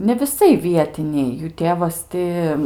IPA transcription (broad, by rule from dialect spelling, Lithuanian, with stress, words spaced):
nʲɛ ʋʲɪˈsɐɪ ˈʋʲiɛtʲɪnʲɛɪ juː ˈtʲeːʋɐs ˈtʲɪ